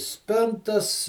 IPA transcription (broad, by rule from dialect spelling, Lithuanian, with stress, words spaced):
ˈsʲpʲɪntɐs